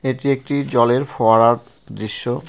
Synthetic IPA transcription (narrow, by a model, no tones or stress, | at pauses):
eʈiek̚ʈid͡ʑɔleɾfɔaɾaɾ | d̪ɾiʃːo